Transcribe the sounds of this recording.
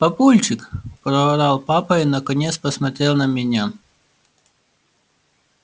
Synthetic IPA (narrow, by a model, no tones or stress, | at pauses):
pɐpulʲt͡ʃɪkpɾɔɾalˠpapɐɪnɐkɐnʲet̪spɐsmɐt̪ɾʲelˠnɐmʲɪnʲa